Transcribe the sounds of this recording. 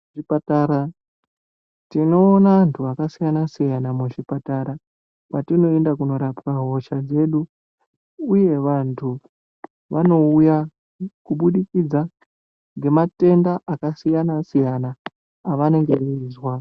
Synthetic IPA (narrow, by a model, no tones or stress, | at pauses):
ipataɾa | tino̞ːnaantʰuakasijanasijanamuʐipataɾa | kwatino̞e̞ndakuno̞ɾapkaɦo̞ʃad͡ze̞ɗu | uje̞ʋantʰu | ʋano̞uja | kuɓuɗikid͡za | ŋɡe̞mate̞ndaʔakasijanasijanaː | ʋane̞ŋɡe̞eiːzwa